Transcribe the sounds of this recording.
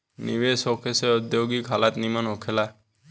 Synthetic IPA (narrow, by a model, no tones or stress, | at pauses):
niʋesokʰeseɔd̪joɡikɦalat̪nimənɦokʰela